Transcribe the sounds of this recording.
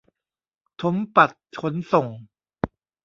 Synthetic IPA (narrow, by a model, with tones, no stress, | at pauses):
t̪ʰo˦˥mpa˨˩t̪̚ʰo˦˥nso˨˩ŋ